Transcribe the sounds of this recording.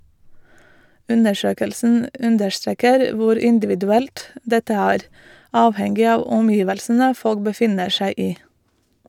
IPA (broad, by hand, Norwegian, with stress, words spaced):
ˈʉnəˌʃøːkəlsn̩ ˈʉndəʃˌtɾeːkəɾ ˈʋʊɾ ɪnˌdɪʋɪdʉˈɛlt ˈdɛtə ˈæːɾ ˈɑːʋhɛŋɡɪ ˈɑːʋ ɔmˈjiːʋəlsnə ˈfɔɽɡ bəˈfɪnəɾ ˈʃæɪ ˈiː